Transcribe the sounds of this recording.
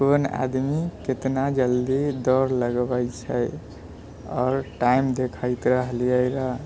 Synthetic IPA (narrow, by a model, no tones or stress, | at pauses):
kona̰d̪miket̪nad͡ʒəld̪id̪ɔɾləɡbəjt͡ʃʰəj | ɔ̰ɾʈaimd̪ekʰəjt̪ɾəɦliəjɾəɦ